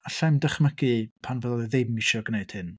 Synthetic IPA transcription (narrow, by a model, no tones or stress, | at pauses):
aɬamdəχməɡipʰanvɛðlˠɛðejmiʃɔɡneɨd̥hɨn